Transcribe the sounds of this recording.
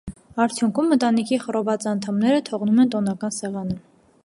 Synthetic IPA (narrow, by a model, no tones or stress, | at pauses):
ɑɾt͡sʰjuŋkʰumːət̪ɑnikʰiχəɾɔvɑt͡sɑnt̪ʰɑmnɛɾət̪ʰɔʁnumɛnt̪ɔnɑkɑnsɛʁɑnə